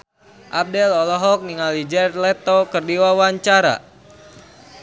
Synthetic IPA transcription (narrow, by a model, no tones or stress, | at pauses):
ʔap̚dɛlɔlɔɦɔk̚niŋalid͡ʒɛrlɛt̪ɔkərdiwawaɲt͡ʃaɾa̰